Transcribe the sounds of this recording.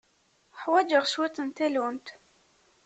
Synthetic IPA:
ħwæd͡ʒəʁʃwæt͡s̪ːənt̪ælunt̪

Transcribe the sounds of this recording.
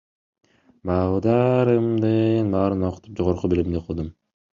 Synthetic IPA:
bɑʁd̪ɑɾɯmd̪ɯnbɑːɾɯno̞qʰu̥t̪up̚d͡ʒo̞ʁoɾqubilʲimd̪iqʰɯlˠd̪um

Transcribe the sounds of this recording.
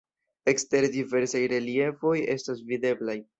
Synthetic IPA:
e̞kste̞ɾdive̞ɾsajɾe̞lie̞fo̞je̞̰stas̬vide̞blaj

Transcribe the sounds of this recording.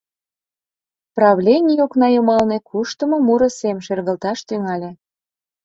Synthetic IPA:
prɑβlʲenʲijoknɑjumɑlnekʰuʃt̪əmŏmuɾə̆semʃerɣə̆lt̪ɑʃt̪yŋɑlʲe

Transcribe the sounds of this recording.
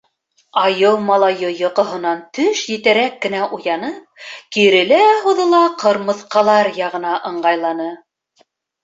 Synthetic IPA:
ɑjɤlˠmɑlˠɑjɤjɤ̆qɤ̆ɦɤ̆nɑnt̪ɵʃjɘ̆t̪æɾækːɘ̆næʔujɑnɤp̚kiɾɘ̆læɦuðɤ̆lˠɑqʰɤ̆ɾmɤ̆θqɑlˠɑɾjɑʁɤ̆nɑʔɤ̆ɴɢɑjlˠɑnɤ

